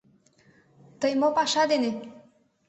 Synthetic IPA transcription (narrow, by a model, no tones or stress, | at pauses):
t̪əjmɔpaʃad̪ene